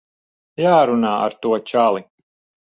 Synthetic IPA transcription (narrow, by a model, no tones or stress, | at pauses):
jaːɾunaːʔa̰ɾt̪uɔt͡ʃalˠi